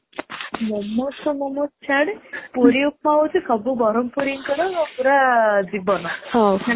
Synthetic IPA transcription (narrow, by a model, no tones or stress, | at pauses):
mɔmɔsɔmɔmɔst͡ʃʰaɽpuɾiupmautʰikɔbubɔɾɔmpuɾiŋkɔɽɔŋɔpuɾad͡zibɔnɔhɔ